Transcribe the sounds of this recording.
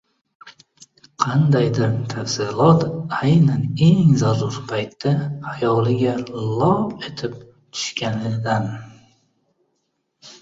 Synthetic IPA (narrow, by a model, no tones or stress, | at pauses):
qʰɑnd̪ajd̪ɪɾt̪ʰafsɪlˠɒt̪ajnane̞ŋzazʊɾpʰajt̪ːaajɒlɪɡʲalˠɒe̞t̪ʰɪp̚ | t̪ʰʊ̥ʃkʲanɪd̪an